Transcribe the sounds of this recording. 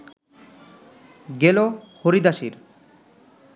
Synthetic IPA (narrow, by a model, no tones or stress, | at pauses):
ɡelohoɾid̪aʃiɾ